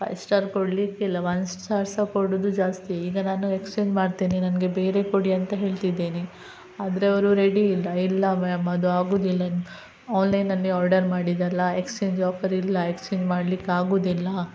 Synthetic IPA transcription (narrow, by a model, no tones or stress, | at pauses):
pɐ̰jsʈaːɾkoɽlikːilːɐʋɐnsʈt͡ʃaːɾsɐkoɽud̪ud͡ʒaːst̪iiːɡɐnaːnue̞kst͡ʃeːɲd͡ʒmaːɽt̪iːninɐnɡe̞be̞ːɾe̞koɽiɐnt̪ɐɦe̞ːɭt̪id̪ːeːni | aːd̪ɐɾeɐʋɐɾuɾeɽilːɐilːɐmɐd̪uaːɡoːd̪ilːɐ | aːnlɐjnɐlːiaːɾɖɐɾmaːɽid̪ɐlːɐekst͡ʃeːɲd͡ʒɔːpʰɐɾilːɐekst͡ʃeːɲd͡ʒmaːɽlikːeaːɡoːd̪ilːɐ